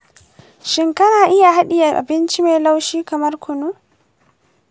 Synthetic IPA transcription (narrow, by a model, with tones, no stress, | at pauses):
ʃɪ˦ŋkɐ˦naː˨ʔɪ˦ja˨ɦa˦ɗɪ˨ja˨ʔa̰˨bɪ˦nt͡ʃi˦me˨jla˦wʃiː˦kɐ˨mɐ˦rkʰʷʊ˨nu˦